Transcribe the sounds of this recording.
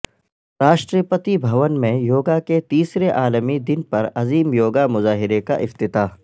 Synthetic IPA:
ɾaːʃʈɾiəpət̪ibʱɐʋənmẽjoːɡaket̪iːsɾeʔaːləmid̪ɪnpɐɾɐziːmjoːɡamʊzaːɦɪɾeka̰ʔɪft̪ɪt̪aː

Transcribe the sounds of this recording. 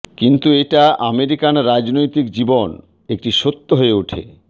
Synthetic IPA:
kint̪ueʈaʔa̰meɾikanɾad͡ʑnojt̪ikd͡ʑibon | ek̚ʈiʃot̪ːoɦoeuʈʰḛ

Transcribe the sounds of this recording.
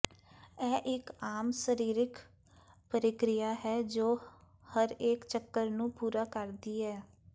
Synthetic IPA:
ɛːʔɪkaːmsəɾiːɾɪk | pəɾɪkɾɪjaːɦɛːd͡ʒoː | həɾeːkt͡ʃəkːəɾnũːpuːɾaːkəɾd̪iːɦɛː

